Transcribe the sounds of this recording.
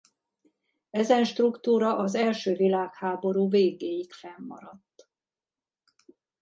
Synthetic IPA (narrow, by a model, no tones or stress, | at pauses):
ɛzɛnʃt̪rukt̪uːɾɒʔɒzɛlʃøːvilaːkhaːbo̞ɾuːveːɡeːjikfɛmːɒ̰ɾɒt̪ː